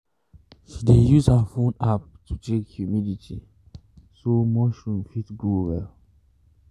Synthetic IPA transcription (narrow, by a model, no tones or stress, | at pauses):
ʃidejuzhafõnap̚tut͡ʃekhjumiditʰi | somɔʃɔ̃nfitɡowɛ̰l